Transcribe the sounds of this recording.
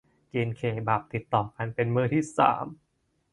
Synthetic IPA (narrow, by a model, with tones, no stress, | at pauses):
keː˧nkʰeː˨˩baː˨˩p̚t̪i˨˩t̪ːɔː˨˩ka˧npe˧nmɯː˥˩t̪ʰiː˥˩sa̰ː˩˦m